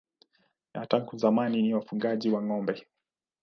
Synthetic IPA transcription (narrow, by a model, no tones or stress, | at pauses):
nataŋkuzamaniniwafuŋɡaʄiwaŋɔmbɛ